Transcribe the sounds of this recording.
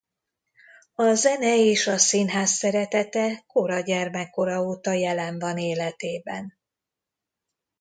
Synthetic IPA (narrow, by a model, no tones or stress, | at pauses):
ɒzɛnɛeːʃɒsinɦaːsːɛɾɛt̪ɛt̪ɛko̞ɾɒɟɛrmɛkːo̞ɾɒoːt̪ɒjɛlɛɱvɒneːlɛt̪eːbɛn